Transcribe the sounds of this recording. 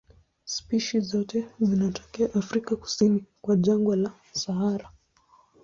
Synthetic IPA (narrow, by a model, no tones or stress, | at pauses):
spiʃizɔtɛzinatɔ̥kɛaʔafɾikaku̥sinikwaʄaŋɡwala | saɦaɾa